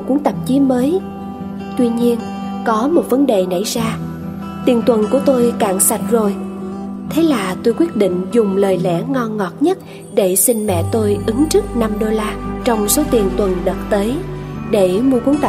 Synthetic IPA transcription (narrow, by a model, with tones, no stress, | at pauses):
ku˨˦əŋt̪ə˨˩p̚t͡ɕi˨˦məː˨˦j | t̪wi˧ɲi˧ən | kɔ˨˦mo˨˩t̚və˨˦nɗe˨˩nə̰˧˩˨jzaː˧ | t̪i˨˩ənt̪wə˨˩nku˧˩ət̪o˧jkaː˧˨ŋsa˨˩t̚zo˨˩j | t̪ʰe˨˦laː˨˩t̪o˧jkwi˦˥ət̚ɗḭ˧˨ŋ̟zʊ˨˩ŋ͡mləː˨˩jlɛ̰˧˩˥ŋɔ˧nŋɔ˨˩t̚ɲə˦˥t̚ | ɗe˧˩sï˧ŋ̟mɛ̰˧˨t̪o˧jʔɨ˨˦ŋt͡ɕɨ˦˥k̚na˧mɗo˧laː˧t͡ɕɔ˧wŋ͡mso˨˦t̪i˨˩ənt̪wə˨˩nɗə˨˩t̚t̪əː˨˦jɗe˧˩mu˧əku˨˦ŋt̪